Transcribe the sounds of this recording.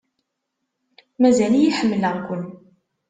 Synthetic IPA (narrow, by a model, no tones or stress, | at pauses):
mæzælijiħəmːləʁkʷənː